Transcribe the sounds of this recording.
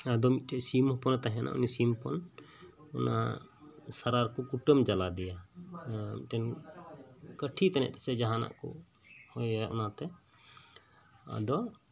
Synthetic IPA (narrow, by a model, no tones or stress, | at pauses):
ad̪ɔmit̪̚t͡ʃɛsimɔpɔnt̪aɦɛnʔa̰ʔɔ̰nisimpɔn | ɔna̰ | saɾaɾkɔkuʈəmd͡ʒalad̪ɛja | t̪ɛn | kəʈʰit̪anɛ̰ʔt̪ʰɛsɛd͡ʒaɦana̰ʔkɔ̰ | hɔjaʔɔ̰nat̪ɛ | a̰d̪ɔ